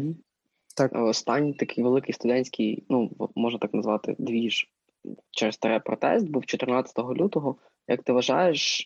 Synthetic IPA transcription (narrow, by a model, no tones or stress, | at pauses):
t̪ɑ̰ɔst̪ɑnʲːijt̪ɐkɪjʋelˠɪkɪjst̪ʊd̪ɛnʲsʲkijnuʋɔmɔʒnɐt̪ɑknɐzʋɑt̪ɪ̰d̪ʋʲiʒ | t͡ʃɛɾɪst̪ɐɾɛpɾɔt̪ɛ̰st̪̚buwt͡ʃɔt̪ɪrnɑt͡sʲɐ̥t̪ɔɦɔlʲut̪ɔɦɔ | jɐk̚t̪ɪʋɐʒɑ̰jeʃ